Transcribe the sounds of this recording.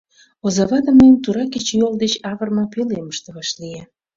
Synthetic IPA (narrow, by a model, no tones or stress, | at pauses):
ozɑβɑd̪əməjəmt̪uɾɑket͡ɕejold̪et͡ɕɑβərmɑpyleməʃt̪eβɑʃlije